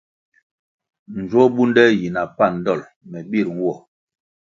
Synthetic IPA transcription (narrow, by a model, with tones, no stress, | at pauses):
n̩˨d͡ʒwɔ˦bu˦ndɛ˦ji˨na˨pa˦˨n̩˦dɔ˦˨l | mɛ˨bi˦˨ɾŋ̩˦wɔ˦˨